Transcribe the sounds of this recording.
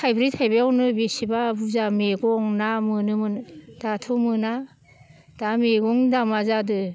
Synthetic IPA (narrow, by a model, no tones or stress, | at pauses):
tʰajbɾitʰajbeawnɯbesibabuzameɡɔŋnamɯnɯmɯndatʰumɯna | d̥ameɡɔŋdamazadɯ